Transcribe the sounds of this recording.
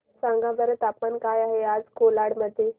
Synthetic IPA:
sãŋɡãbəɾət̪apmankajaɦead͡zkolaɽməd̪ʱːje

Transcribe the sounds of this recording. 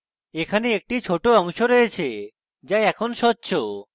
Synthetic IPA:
ekʰaneek̚ʈit͡ɕʰoʈoɔŋʃoɾoet͡ɕʰe | d͡ʑajɛkʰonʃɔtːɕʰo

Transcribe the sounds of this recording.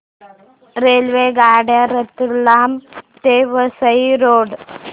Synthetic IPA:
reːlʋeːɡaːɖjaɾet̪ːiɭːaːmt̪eːʋɐsɐiɾoːɖ

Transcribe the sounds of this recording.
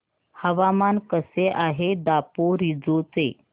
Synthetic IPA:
həʋamankəseʔaɦed̪apoɾid͡zot͡se

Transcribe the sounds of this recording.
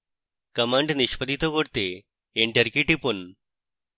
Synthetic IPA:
kəmaɳɖniʃpəd̪ʱit̪oɡoɽt̪e | eɳʈəɾkiʈipun

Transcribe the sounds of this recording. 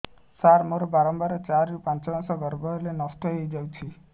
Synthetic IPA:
saɾmoɾɔbaɾɔmbaɾɔt͡ʃaɾupãnt͡ʃɔɡɔsɔɡɔɾbɔlenɔsʈ̪ɔɦejd͡ʒawt͡ʃʰi

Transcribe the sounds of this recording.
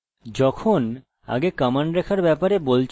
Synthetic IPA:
d͡ʑɔkʰon | a̰ɡekamaɳɖɾɛkʰaɾbɛpaɾebolt͡ɕʰ

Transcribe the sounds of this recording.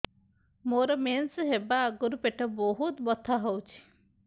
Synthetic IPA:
moɾɔmensɦebaɡuɾupeʈɔboɦut̪bɔt̪ʰːaɦowt͡ʃʰi̥

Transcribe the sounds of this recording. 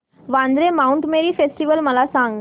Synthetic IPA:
ʋãnd̪ɾemauɳʈmeɾiːfesʈiʋəlməlasãŋɡ

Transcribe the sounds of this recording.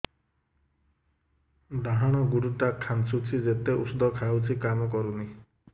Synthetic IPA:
d̪aɦaɽ̃ɔɡuɽuʈakʰansut͡ʃʰid͡ʒet̪eʔṵsud̪ʱɔkʰawt͡ʃʰikamɔkɔɾuni

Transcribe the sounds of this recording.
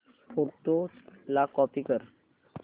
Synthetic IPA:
foɾʈolakɔpikəɾ

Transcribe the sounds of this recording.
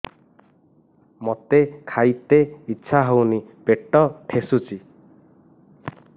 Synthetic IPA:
mot̪ekʰajt̪eitːʃʰaɦownipeʈːɔʈʰesut͡ʃi

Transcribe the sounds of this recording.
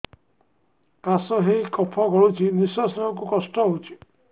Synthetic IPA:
kasɔɦejkɔpʰɔkɔɹut͡ʃʰinisɔsɔŋɔkukɔsʈɔɦot͡ʃʰi̥

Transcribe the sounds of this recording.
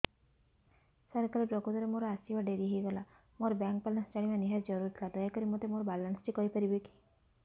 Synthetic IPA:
sɔɾkaɾipɾɔkut̪ɔɾemoɾɔasibaɖeɾiɦejɡɔla | moɾɔbjaŋk̚palansd͡ʒaɽimaniɦaɾd͡ʒɔɾuɾt̪ʰilad̪ɔjakɔɾimot̪emoɾɔbalanst͡ʃʰikɔɦipɔɾibeki̥

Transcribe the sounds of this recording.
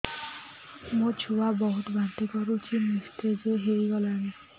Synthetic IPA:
mũt͡ʃʰuwabɔɦut̪ɡʱant̪ikɔɾut͡ʃʰinist̪ed͡ʒeɦeiɡɔlani

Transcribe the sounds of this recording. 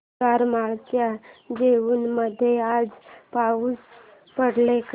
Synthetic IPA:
aɾmaɭkjad͡ʑeʋuːnməd̪ʱːjead͡zpaʋuːs | pəɽlek

